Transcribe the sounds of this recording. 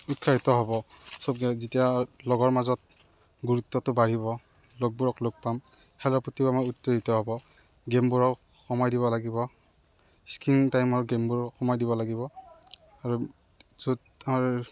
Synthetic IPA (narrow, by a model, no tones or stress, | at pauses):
ut̚kʰaɦitɔɦɔbɔsob̚ɡɛzitialɔɡɔɹmazɔt̚ | ɡuɹutːɔtʊbaɹibɔ | lok̚buɹɔklok̚pam | hɛlɔɹputʰibamautːoɦitɔɦɔbɔ | ɡembuɹɔk | xɔmajdibɔlaɡibɔ | skiŋtajmɔɹɡembuɹɔxɔmajdiβɔlaɡibɔ | aɹu | zud | amaɹ